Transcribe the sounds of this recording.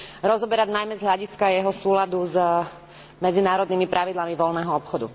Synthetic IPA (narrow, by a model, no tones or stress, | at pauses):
ɾɔzɔbɛɾaɟnajmɛzɦlʎaɟiskajɛɦɔsuːlad̪uz | mɛd͡zinaːɾɔd̪niːmipɾʔaʋid̪lamiʋɔlnɛːɦɔɔpxɔd̪ṵ